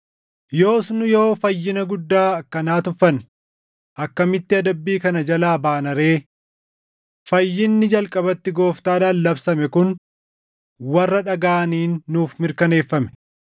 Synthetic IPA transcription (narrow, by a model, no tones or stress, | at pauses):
jo̞ːsnʊjo̞ːfɐjːɪnɐɡʊd̪ːaːɐkːɐnaːt̪ʊfɐn | ʔɐkːɐmɪt̪ːɪɐd̪ɐbːiːkɐnɐd͡ʒɐlaːbaːnɐɾe̞ː | fɐjːɪnːɪd͡ʒɐlkʼɐbɐt̪ːɪɡo̞ːft̪aːᶑaːnːɐbsɐmɛkʊn | wɐrːɐᶑɐɡaːniːnːuːfmɪɾkɐne̞ːfːɐmɛ̥